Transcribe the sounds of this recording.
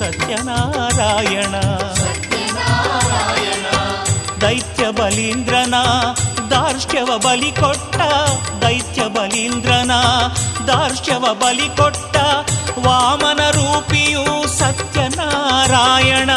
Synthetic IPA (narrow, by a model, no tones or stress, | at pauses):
sɐt̪jɐnaːɾaːjɐɳɐt̪ɐaaːjɐɳɐd̪ɐjt̪jɐbɐlind̪ɾɐnɐd̪aːɾʃjɐʋɐbɐlikɔʈːɐ | d̪ɐjt̪jɐbɐlind̪ɾɐnɐd̪aːɾʃjɐʋɐbɐlikɔʈːɐʋaːmɐnɐɾuːpijusɐt̪jɐnaɾaːjɐɳɐ